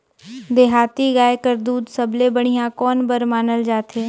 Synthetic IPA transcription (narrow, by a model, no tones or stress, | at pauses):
d̪eːɦaːt̪iɡaːekəɾd̪uːd̪səblebəɽ̃ijãkɔːnbəɾmaːnəld͡ʒaːt̪ʰeː